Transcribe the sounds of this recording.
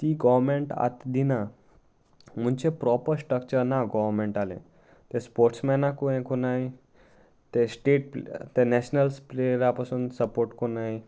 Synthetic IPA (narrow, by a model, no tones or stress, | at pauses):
t̪iɡɔʋmẽɳʈa̰t̪d̪ina | m̤ũnt͡ɕepɾɔpəɾsʈɾəkt͡ɕəɾnaɡɔʋɾmẽɳʈalḛ̃ | t̪espoɾʈsmɛnakoẽkonai | t̪esʈeːʈ̚pt̪enɛɕnəlspleɾapasunsəpoɾʈkonai